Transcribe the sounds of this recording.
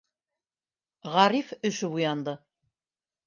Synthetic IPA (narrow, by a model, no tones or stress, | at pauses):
ʁɑɾifɵ̆ʃɵbujɑnd̪ɤ